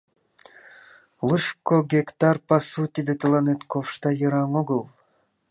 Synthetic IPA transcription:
lˠuʃkoɡʲekt̪arpasut̪ʲid̪ɨt̪ɨlˠanet̪kofʂt̪ɑjɯɾɑŋoɡɨlˠ

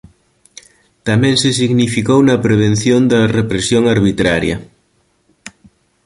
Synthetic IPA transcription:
t̪amɛ̃ŋsesiɣnifikownɐpɾeβ̞enθjond̪ɐrepɾesjoŋaɾβit̪ɾaɾjɐ̰

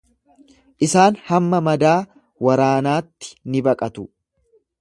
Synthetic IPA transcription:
ʔɪsaːnhɐmːɐmɐd̪aː | wɐɾaːnaːt̪ːɪ̥nɪbɐkʼɐt̪ʊ

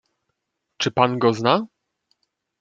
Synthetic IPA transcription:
t͡ʂɘpanɡɔzna

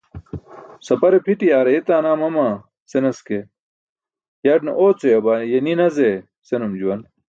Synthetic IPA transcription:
sɐpɐɾepʰiʈiaːɾeit̪aːnaːmɐmaː | senɐske | jɐɖnɐ̰ʔoːt͡sojɐbaːjeninɐze | senɐmd͡ʑuwɐn

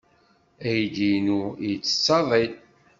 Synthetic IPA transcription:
æjd̪inujət͡sːə̥t͡sːɑðˤit̪

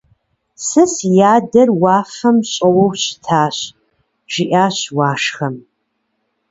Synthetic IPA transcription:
sɨsjaːdɐrwaːfɐmɕʼɐwowɕtʰaːɕ | ʒ̥iʔaːɕwaːʂχɐm

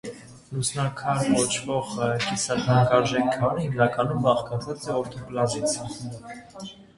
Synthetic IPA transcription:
lusnɑkʰɑɾkɔt͡ʃʰvɔʁkisɑt̪ʰɑŋkɑɾʒɛkʰːɑɾəhimnɑkɑnumbɑχkɑt͡sʰɑt͡sɛɔɾt̪ʰɔplɑzit͡sʰə

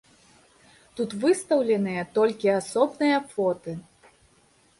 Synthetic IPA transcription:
t̪ut̪vɨst̪ɐwlʲɛnɨjɐt̪ɔlʲkʲiasɔbnɨjɐfɔt̪ɨ

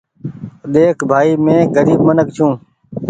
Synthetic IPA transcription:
ɗ̪eːkʰbʱaːiːmẽːɡəɾiːbmənəkt͡ʃʰũː

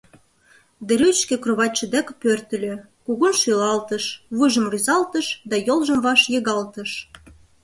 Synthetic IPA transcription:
d̪ĕɾyt͡ɕkĕkroβɑt̚ʲt͡ɕːə̆d̪ækpørt̪ə̆lʲø̆ | kuɣunʃylɑlt̪əʃβɨʒə̆mryzɑlt̪əʃd̪ɑjolʒə̆mvɑʃjɤɣɑlt̪ə̆ʃ

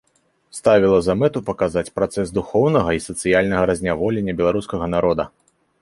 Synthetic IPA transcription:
st̪avʲilˠɐzamɛt̪upɐkazat͡sʲpɾat̪sɛsd̪uxɔwnɐɣɐisɐt̪sɨjalʲnɐɣɐɾɐzʲnʲavɔlʲenʲːɐbʲɛlˠaɾuskɐɣɐnaɾɔd̪ɐ

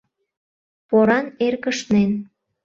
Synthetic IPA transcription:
poɾɑnerkəʃnen

